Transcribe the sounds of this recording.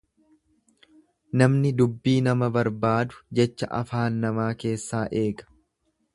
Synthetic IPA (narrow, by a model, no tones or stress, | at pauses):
nɐmnɪd̪ʊbːiːnɐmɐbɐɾbaːd̪ʊ̥d͡ʒɛt͡ʃːɐʔɐ̰faːnːɐmaːke̞ːsːaːʔe̞ːɡɐ̥